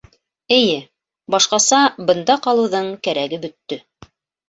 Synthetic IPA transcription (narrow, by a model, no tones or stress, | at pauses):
ɘ̆jɘ | bɑʃqɑsɑbɤ̆nd̪ɑqɑlˠɤ̆wðɤɴkæɾæɡɘbɵ̆t̪ːɵ